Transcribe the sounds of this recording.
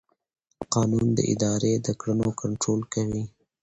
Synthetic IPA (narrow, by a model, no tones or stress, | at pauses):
qɑːnund̪ə̰ʔɪ̰d̪ɑɾed̪əkɽənokaɳʈɾoːlkawi